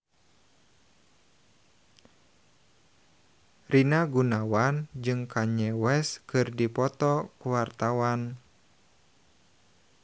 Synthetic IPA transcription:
rinaɡunawand͡ʒɨŋkʰaɲɛwɛskɨrdipɔt̪ɔkuwart̪awan

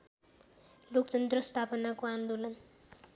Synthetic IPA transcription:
lok̚t͡ʃʌnt̪rʌst̪ʰapʌnakoand̪olʌn

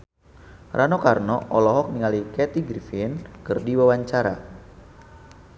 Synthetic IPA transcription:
rʔanokarnɔʔɔlɔɦɔk̚niŋalikɛt̪iɡɾifinkɨrdiwawaɲt͡ʃaɾa̰

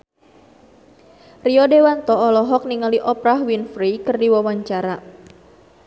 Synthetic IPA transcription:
riɔdewant̪ɔɔlɔɦɔk̚niŋaliʔɔpɾaɦwinfɾikɨrdiwawaɲt͡ʃaɾa

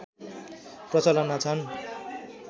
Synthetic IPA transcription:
prʌt͡sʌlʌnat͡sʰʌn

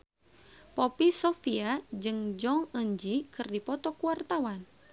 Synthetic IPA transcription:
pɔpisɔfiad͡ʒɨŋd͡ʒɔŋəɲd͡ʒikɨrdipɔt̪ɔkuwart̪awan

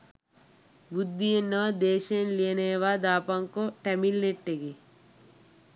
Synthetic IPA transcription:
bud̪ʱːijenəd̪eːʃenlijeneːʋad̪aːpaŋkoʈɐmilneʈːeɡe

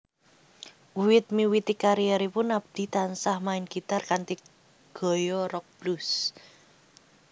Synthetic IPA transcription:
uwɪt̪̚miwit̪ikaɾijɛɾipʊnab̥̚d̪̥i̤t̪ansahmaɪnɡit̪arkant̪i | ɡ̥ɔ̤jɔɾɔk̚b̥lus

